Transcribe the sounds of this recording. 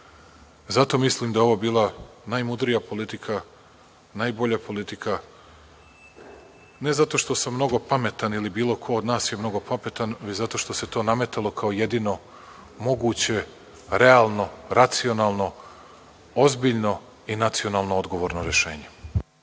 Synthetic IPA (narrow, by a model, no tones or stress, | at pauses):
zat̪o̞mislimd̪aeo̞ʋobiːlˠa | najmud̪ɾijapo̞lit̪ikʰa | najbo̞ʎapo̞lit̪ikʰa | ne̞zat̪o̞ʃt̪o̞samːno̞ɡo̞pame̞t̪anilibiːlˠo̞kʰo̞od̪naːsjemno̞ɡo̞pame̞t̪anʋet͡ɕzat̪o̞ʃt̪o̞se̞t̪o̞ːname̞t̪alˠo̞kʰaoje̞d̪iːno̞ | mo̞ɡuːt͡ɕe̞ | ɾe̞aːlˠno̞ɾat̪sio̞naːlˠno̞ | ozbiʎno̞ | inat̪sijo̞naːlˠnood̪ɡo̞ʋo̞ːɾnoɾe̞ʃe̞ːɲe̞